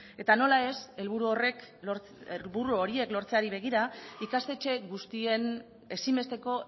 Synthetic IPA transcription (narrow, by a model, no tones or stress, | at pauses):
e̞t̪ano̞lae̞se̞lβuɾuo̞re̞k | lβuɾuo̞ɾie̞klo̞ɾt͡se̞aɾiβ̞e̞ɣ̞iɾaikast̪e̞t͡ʃe̞ɣust̪ie̞n | e̞simbe̞st̪e̞ko̞